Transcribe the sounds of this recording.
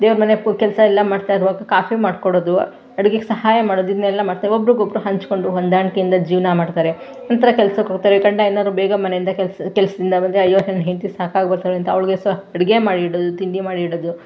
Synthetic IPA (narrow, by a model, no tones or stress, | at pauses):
d̪eːʋɐɾɐmɐnekɛlsɐɛlːɐmaːɖt̪ajiɾuʋaːɡɐkaːfimaːɖkoɽoːd̪u | ɐɽiɡeɡesɐɦaːjɐmaːɽoːd̪uid̪ɐnɛlːɐmaːɽt̪aːɾeobɾuɡobɾuɦɐɲt͡ʃko̞ɳɖuɦond̪aːɳkejind̪ɐd͡ʒiːʋnɐmaːɖt̪aːɾe | nɐnt̪ɐɾɐkɛlsɐkoːɡt̪aːɾeɡɐɳɖaenaːd̪ɾubɛːɡɐmɐnejind̪ɐklskɛlsɐd̪ind̪ɐbɐnd̪eɐjːoːɦenɦent̪isaːkaːɡbɐɾt̪aːɾeɐnt̪ɐʋɐɭɡesɐɽiɡemaːɽiɽod̪ut̪iɳɖimaːɽiːɽoːd̪u